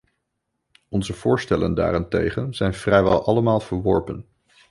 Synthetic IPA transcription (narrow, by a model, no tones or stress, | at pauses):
ɔnzəv̥ʊːɹstɛlə̰nda̰ːɾɛntejχənz̥ɛjnvrɛjʋɛ̰lˠʔɑləmaːlˠv̥əɹʋɔɹpən